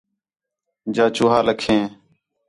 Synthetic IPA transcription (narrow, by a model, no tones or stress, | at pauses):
d͡ʒaːt͡ʃuːɦaːləkʰẽː